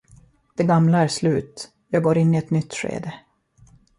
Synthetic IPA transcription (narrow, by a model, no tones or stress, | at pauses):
d̪̥ɛɡamlaæɾʂlʉ̟ːt̪ | jɑːɡɡoːɾɪnːɪɛt̪nʏt̪ːɧḛːd̪ə